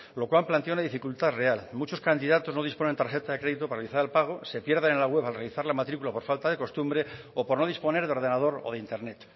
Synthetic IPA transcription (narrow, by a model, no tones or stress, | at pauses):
lo̞kwalplant̪eunaðifikult̪are̞almut͡ʃo̞skand̪iðat̪o̞zno̞ð̞ispo̞ne̞nt̪aɾxe̞t̪aðekɾe̞ðit̪o̞paɾaealiθaɾelpaɣ̞o̞se̞pje̞ɾðenenlaɣwe̞βalrealiθaɾlamat̪ɾikulapo̞ɾfalt̪aðe̞ko̞st̪umbɾe̞ | opo̞ɾno̞ðispo̞ne̞ɾðeo̞ɾð̞e̞nað̞o̞ɾo̞̰ð̞eint̪e̞ɾnet̪